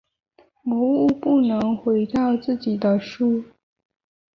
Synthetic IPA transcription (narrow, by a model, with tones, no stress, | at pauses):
mɔ˧˥u˥˧pu˥˩nɤ˧˥ŋxwe˧˥ɪt̪ɑ˥˧ʊt͡sɹ̩˥˩t͡ɕi˨˩d̪ə˦ʂu˥